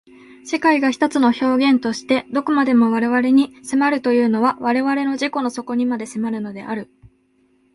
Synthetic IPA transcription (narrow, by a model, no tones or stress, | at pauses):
se̞kaiɡaçi̥t̪ot͡sɨno̞ço̞ːɡẽ̞nt̪o̞ɕi̥t̪e̞d̪o̞komad̪e̞mo̞β̞aɾe̞βaɾe̞ɲ̟isemaɾɯ̟t̪o̞jɯ̟ːno̞βaβaɾe̞βaɾe̞no̞ʑiko̞no̞so̞ko̞ɲ̟imad̪e̞semaɾɯ̟no̞d̪e̞ʔaɾɯ̟